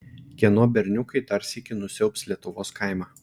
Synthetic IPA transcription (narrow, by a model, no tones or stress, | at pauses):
kʲiɛnuɔbʲɛɾʲnʲʊkɐɪt̪ɐɾʲsʲikʲɪnʊsʲɛʊpʲslʲiɛt̪ʊʋoːskɑˑɪmɑː